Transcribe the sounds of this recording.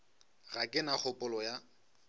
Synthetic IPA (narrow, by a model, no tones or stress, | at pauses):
ɣakʼɪnak͡xʰʊpʼʊlɔja